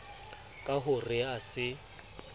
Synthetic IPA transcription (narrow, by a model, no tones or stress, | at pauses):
kʼaɦʊrɪasɪ